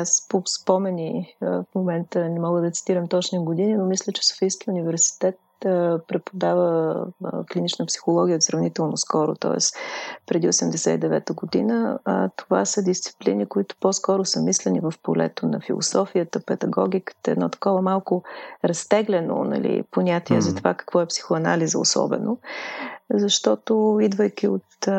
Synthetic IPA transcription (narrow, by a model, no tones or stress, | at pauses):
aspospɔmɛnifmomɛnt̪ənɛmɔɡəd̪ɐt̪si̥t̪iɾəmt̪ɔt͡ʃniɡod̪ininomislʲət͡ʃɛ̥so̥fijskiunivɛɾsi̥t̪ɛt̪pɾɛt̪̚pod̪avə | klinit͡ʃnəpsi̥xolˠɔɡʲiəot̪sɾɐvnit̪ɛlˠnoskɔɾʊ̰t̪ɔ̰ɛ̰spɾɛd̪iosɛmd̪ɛsɛid̪ɛvɛt̪əɡod̪ḭnət̪ova̰səd̪ist̪si̥plinikoit̪ʊ̥pɔskɔɾʊsəmislɛnivəfpolɛ̰t̪onɐ̰filˠo̰sɔfiət̪əpɛd̪ɐɡɔ̰ɡʲikə̥t̪əɛ̰d̪nɔt̪ɐ̥kɔvəmalˠkʊɾɐst̪ɛɡlɛno̰nɐ̰lḭponʲat̪iɛzɐt̪ovakə̥kvɔɛpsi̥xʊɐna̰lizəo̰sɔ̰bɛ̰no | zɐʃt̪ɔt̪oid̪vəjk̟ʲiot̪